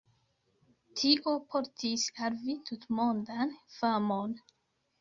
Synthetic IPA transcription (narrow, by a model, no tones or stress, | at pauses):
tʰiʔopʰoɾtʰisaɾvitʰutmondanfamon